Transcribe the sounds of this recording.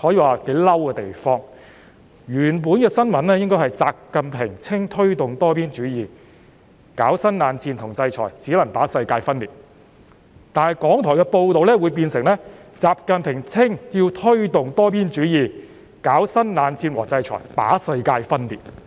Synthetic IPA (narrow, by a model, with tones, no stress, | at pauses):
hɔː˨˥jiː˨˧waː˨˩ke˨˥jlɐ˥wkɛː˧t̪e˨jfɔː˥ŋ | jyː˨˩np̬uː˨˥nkɛː˧sɐ˥nmɐ˨nlɛː˥jɪ˥ŋkɔː˥jhɐ˨jt͡saː˨p̚kɐ˨npʰɪ˨˩ŋt͡sʰɪ˥ŋt̪ʰɵ˥ɥt̪ʊ˨ŋt̪ɔː˥piː˥nt͡ʃyː˨˥jiː˨ | kaː˨˥wsɐ˥nnaː˨˧nt͡sʰiː˧nt̪ʰʊ˨˩ŋt͡sɐ˧jt͡ʃʰɔ̰ː˨˩jt͡siː˨˥lɐ˨˩ŋt̪aː˨˥sɐ˧jkaː˧jfɐ˥nliː˨t̚ | t̪aː˨nhɐ˨˩jkɔː˨˥ŋt̪ʰɔː˨˩jkɛ˧po˧wt̪o˨wlɛː˥wuː˨˧jp̬iː˧nsɪ˨˩ŋlɛ˥t͡saː˨p̚kɐ˨˧npʰɪ˨˩ŋt͡sʰɪ˥ŋjiː˧wt̪ʰɵ˥ɥt̪ʊ˨ŋt̪ɔː˥piː˥nt͡ʃyː˨˥jiː˨˩ | kaː˨˥wsɐ˥nnaː˨˧nt͡sʰiː˧nwɔː˨˩t͡sɐ˧jt͡ʃʰɔ̰˨˩jt̪a̰ː˨˥sɐ˧jkaː˧jfɐ˥nlḭː˨˩t̚